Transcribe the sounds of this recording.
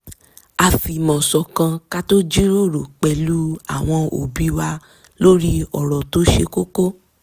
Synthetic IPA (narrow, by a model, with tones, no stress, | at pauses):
a˨fi˨mɔ̃˨sɔ˨kã˧ka˦to˦d͡ʒi˦ɾo˦˨ɾo˨k͡pɛ˧lu˦a˦˨w̃ɔ̃˧o̰˨bi˨˦wa˧ | lo˦ɾi˦ɔ˨ɾɔ˨to˦ʃe˧ko˦ko˦